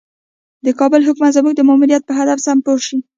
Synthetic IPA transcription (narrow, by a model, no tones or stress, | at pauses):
d̪əkɑbəlɦʊkmat̪zəmuɡ̚d̪əmɑmuɾijat̪̚pəɦad̪afsampoʃi